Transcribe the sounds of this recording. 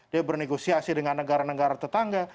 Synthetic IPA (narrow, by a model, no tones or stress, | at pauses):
diabərneɡosiasidəŋanːəɡaɾanəɡaɾat̪ət̪aŋɡa